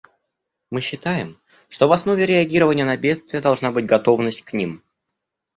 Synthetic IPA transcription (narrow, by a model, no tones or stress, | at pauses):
mɨɕːɪt̪ajɪm | ʂt̪o̞vɐsnovʲɪɾʲɪɐɡʲiɾəvənʲɪjənɐbʲe̞t̪st̪vʲɪjəd̪ɐlˠʐnabɨtʲɡɐt̪o̞vnəsʲtʲknʲim